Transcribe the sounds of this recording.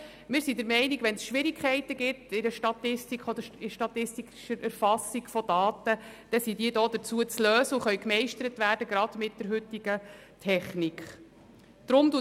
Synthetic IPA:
mɪːɾsid̪əɾmɛɪniɡʋɛnsʃʋɪɾikχɛɪtəɡ̥ɪtɪdəʃtɑt̪ɪstikχɔd̪əɪʃtɑt̪ɪsti | ʃəɾʔæɾfɑsiɡ̥fɔd̥ɑːt̪ə | d̥ɛsidiədoːd̥̪ət͡suət͡sløːsəuχœɥkmɛɪʃtəɾətvæːrd̥əɡɾɑd̥mɪt̚d̥əɾɦʏtːiɡ̥ə | tʰɛχnikχ | d̥ɾʊmdu

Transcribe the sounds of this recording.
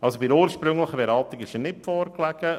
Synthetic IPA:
ɑlsobɪɾuːɾʃpɾʏŋləχəbɛɾɑlt̪ɪɡɪʃənɪtfɔːɾklæɡ̥ə

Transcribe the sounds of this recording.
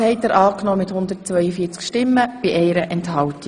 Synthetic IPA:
hɛɪtəɾʔɑːknɔːmɪthʊnd̪əɾtt͡sʋœʏəfiːt͡skʃtɪmːəb̥iʔɛɪɾəʔɛnthɑltɪ

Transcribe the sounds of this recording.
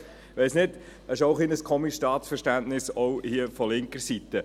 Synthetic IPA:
ʋɛɪsnɪd | əʃoʊχlinəskʰɔmisʃtɑːt̪sfəɾʃtæntnɪsɔʊhiəfɔlɪŋkəɾsit̪ə

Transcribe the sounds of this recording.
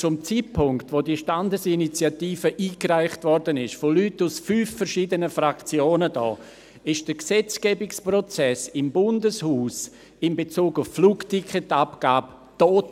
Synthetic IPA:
t͡sʊmt͡siːtpʰʊŋktvodiːʃtandəsinit͡sjatiːfəʔiːkraɪχtvɔɾdənɪʃfolytːusfyːfːɛɾʃiːdənəfrakt͡sjoːnədɔ̰ː | ɪʃd̥əksɛt͡sɡ̥ɛːbɪksprɔt͡sɛsɪmbʊndəshuːs | ɪmbet͡suːɡuffluːktʰikχɛtapɡ̥aːb | toːt

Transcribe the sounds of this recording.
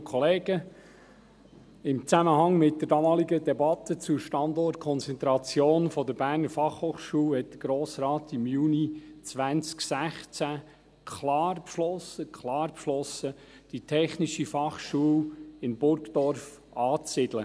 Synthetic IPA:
kʰɔleːɡ̥ə | ɪmt͡sæməhɑŋmɪt̚d̥̪əɾdɑmɑːliɡədɛbɑt̪ət͡suʃtɑndɔt̚kʰɔnt͡sɛnt̪ɾɑt͡sjoːnfɔd̪əɾb̥æːɾnəɾfɑχhoːχʃuːlhɛt̚d̥əɡ̥ɾoːsɾɑːtɪmjuːnit͡sʋænt͡sksæχt͡sæ | kʰlɑːrpʃlɔsəkʰlɑːɾpʃlɔsə | d̥itʰɛχniʃifɑχʃuːlɪnbʊɾkd̥ɔɾf | ɑːt͡sɪd̥lə

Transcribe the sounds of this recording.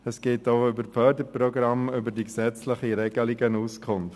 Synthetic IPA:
əsɡ̥eːtoʊʏbəɾffœːdəpɾɔɡɾɑmʏbəɾdiksɛt͡sləχiɾɛɡəliɡənuskʰʊnf

